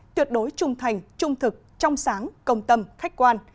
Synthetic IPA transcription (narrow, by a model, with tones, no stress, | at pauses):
t̪wi˨˩ət̚ɗo˨˦jt͡ɕʊ˨˩ŋ͡mt̪ʰa˨˩jŋ̟t͡ɕʊ˧ŋ͡mt̪ʰɨ˨˩k̚t͡ɕɔ˧wŋ͡msaː˨˦ŋkə˧wŋ͡mt̪ə˧mxa˦˥jk̟̚kwaː˧n